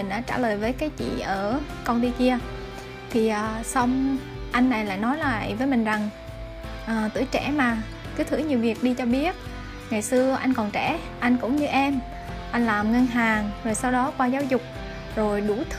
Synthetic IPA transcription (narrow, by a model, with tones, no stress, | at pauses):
ï˨˩ŋ̟ɗa̰ː˧˥t͡ɕa̰ː˧˩ləː˨˩jvəː˨˦jkaː˨˦jt͡ɕḭ˧˨ʔəː˧˩ | kɔ˧nɗ̪i˧ki˧ə | t̪ʰi˨˩ʔəː˨˩sə˧wŋ͡m | ʔa˧jŋ̟nːa˨˩jla̰ː˧˨jnɔ˨˦jlaː˨˩ʔa̰˧˩jvəː˨˦jmï˨˩ŋ̟za˨˩ŋ | ʔəː˨˩t̪ɨ̰˧˩ət͡ɕɛ˧˩maː˨˩ | kɨ˨˦t̪ʰɨ̰˧˥ɲi˨˩əwvi˨˩ək̚ɗi˧t͡ɕɔ˧ɓi˦˥ət̚ | ŋa˨˩jsɨ˧əʔa˧jŋ̟kɔ˨˩nt͡ɕɛ˧˩ | ʔa˧jŋ̟kʊ̰˧˥ŋ͡mɲɨ˧ʔɛ˧m | ʔa˧jŋ̟laː˨˩mŋə˧nɦaː˨˩ŋzo˨˩jsa˧wɗɔ˨˦kwaː˧zaː˨˦wzʊ˨˩k͡p̚ | zo˨˩jɗu˧˩t̪ʰ